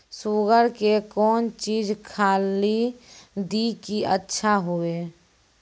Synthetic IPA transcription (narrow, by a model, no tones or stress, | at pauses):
suːɡəɾkekɔːnt͡ʃiːd͡ʒkʰaːlid̪ikiətːʃʰaɦueː